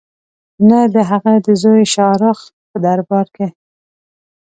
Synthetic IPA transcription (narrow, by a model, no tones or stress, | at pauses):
nad̪əɦaɣad̪əzojʃɑɾəx | pəd̪aɾbɑɾke